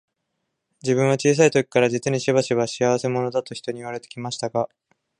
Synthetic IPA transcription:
d͡ʑiβɯ̟̃ɰ̃βat͡ɕiːs̬ait̪o̞kʲi̥kaɾad͡ʑit͡sɨɲ̟iɕiβaɕiβaɕiaβ̞ase̞mo̞no̞d̪at̪o̞çʲi̥t̪o̞ɲ̟iiβ̞aɾe̞t̪ekʲimaɕi̥t̪aɡa

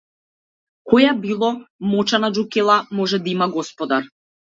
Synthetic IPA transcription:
kɔjabilˠɔmɔt͡ʃanad͡ʒukɛlˠamɔʒɛd̪aimaɡɔspɔd̪aɾ

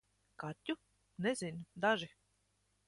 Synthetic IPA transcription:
kat̪ʲːu | nezʲind̪aʒi

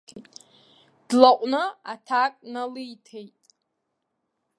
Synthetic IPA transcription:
d̥laqʷʼnɨatʰakʼnalɨjtʰejtʼ

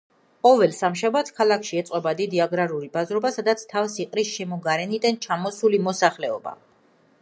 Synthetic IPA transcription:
qʼɔvɛlsamʃabat̪ʰkʰalakʰʃiɛt̪sʼqʼɔbad̪id̪iaɡɾaɾuɾibazɾɔbasad̪at̪sʰt̪ʰavsiqʼɾisʃɛmɔɡaɾɛnid̪ant͡ʃʰamɔsulimɔsaχlɛɔba̰

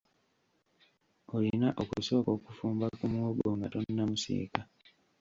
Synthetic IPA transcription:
olinaʔokuso̞ːko̞kufuːmbakumwoboŋɡatonːamusḭːka

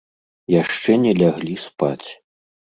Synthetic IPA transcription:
jaʂt͡ʂɛnʲɛlʲaɣlʲispa̰t͡sʲ

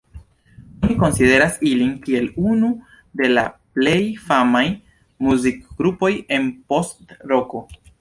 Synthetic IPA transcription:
oniko̞nside̞ɾasilinkie̞lunu | de̞la̰ple̞jfamaj | muzikɡ̥ɾupo̞je̞npo̞stɾo̞ko̞

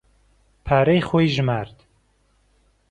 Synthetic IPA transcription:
pʰaːɾejxoːjʒɨmaːɾd̪

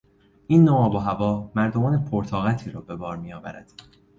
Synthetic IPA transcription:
ʔiːnːoɒːboɦævɒːmæɾd̪o̞mɒːnepʰoɾt̪ʰɒːɣæt̪ʰiːɾɒːbe̞bɒːɾmijɒːvæ̰ɾæ̰d̪̥

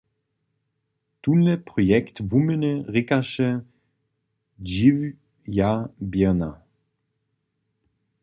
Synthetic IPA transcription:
tunːəpʁɔjɛktvumənəʁɪkaʃə | d͡ʒiv | jabjɛna

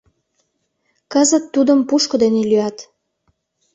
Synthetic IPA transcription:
kəzət̪ːud̪əmpuʃkod̪enelyɑt̪

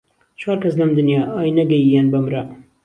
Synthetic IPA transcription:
t͡ʃʰwɑːɾkɐslɐmd̪ɨnjɑːɑːjnɐɡɐjijanbɐmɾɐ

